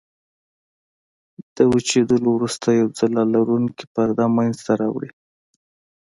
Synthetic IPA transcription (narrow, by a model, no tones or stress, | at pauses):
d̪̥əwut͡ʃed̪əlowɾust̪ajawd͡zalɑlaɾunki̥pəɾd̪ɑmanzt̪aɾɑwɽi